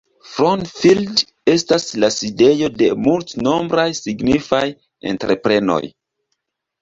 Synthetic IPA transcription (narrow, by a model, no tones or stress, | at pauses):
fɾontfild | e̞staslaside̞jo̞de̞multno̞mbɾajsiɡnifaj | ḛntɾe̞pɾe̞no̞̰j